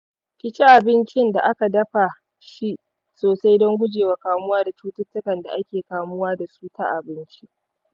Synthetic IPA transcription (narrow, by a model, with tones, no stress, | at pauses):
kʲɪ˦t͡ʃi˦ʔa˨bɪ˦nt͡ʃɪ˦nda˨ʔa˦ka˨dɐ˦ɸa˨ | ʃi˦ʔ | soː˨sa˦jdɔ˦ŋɡʷʊ˦d͡ʒeː˨wa˨˦kaː˨mʊ˦waː˦da˨t͡ʃuː˦tʊ˦tːʊ˦kɐ˨nda̰˨ʔa˦kʲeː˨kaː˨mʊ˦waː˦da˨suː˦ta̰˦ʔa˨bɪ˦nt͡ʃi˦